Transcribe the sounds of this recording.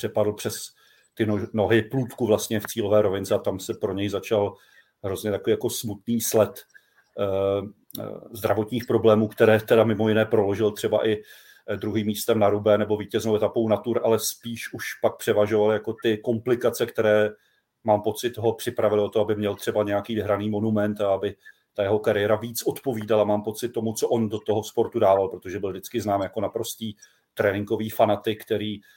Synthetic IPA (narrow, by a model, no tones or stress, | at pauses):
pr̝̥ɛpadl̩ˠpr̥ɛs | t̪ɪono̞ɦɪpluːt̪kuvlast̪ɲɛft͡siːlo̞vɛːɾo̞vɪnt͡sɛat̪amsɛpɾo̞ɲɛjzat͡ʃal | ɦɾozɲɛt̪akoviːjako̞smut̪niːslɛt̪ | zd̪ɾavo̞t̪ɲiːxpɾo̞blɛːmuːkt̪ɛɾɛːt̪ɛdamɪmo̞jɪnɛːpɾo̞lo̞ʒɪlt̪r̝̥ɛba̰ʔɪ | dɾuɦiːmːiːst̪ɛmnaɾubɛnɛbo̞viːcɛznowʔɛt̪apo̞wnat̪uɾʔalɛspiːʃʔuʃpak̚pr̝̥ɛvaʒo̞valɪjako̞t̪ɪko̞mplɪkat͡sɛkt̪ɛɾɛː | maːmpo̞t͡sɪt̪ɦo̞pr̝̥ɪpɾavɪlɪo̞t̪oabɪmɲɛlt̪r̥ɛbaɲɛjakiːvɪɦɾaniːmo̞numɛnt̪aabɪ | t̪ajɛɦo̞kaɾɪjɛɾaviːt͡sʔo̞t̪po̞viːdalamaːmpo̞t͡sɪt̪̚ːo̞mut͡soʔo̞ndo̞t̪oɦospo̞ɾt̪udaːvalpɾot̪o̞ʒɛbɪldɪt͡skɪznaːmjako̞napɾo̞st̪iː | t̪ɾɛnɪŋɡo̞viːfanat̪ɪkt̪ɛɾiː